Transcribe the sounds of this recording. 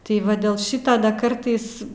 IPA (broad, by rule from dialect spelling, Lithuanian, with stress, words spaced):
tɐɪ ˈʋɐ dʲeːlˠ ˈʃʲiːtoː dɐ ˈkɐrtɐɪs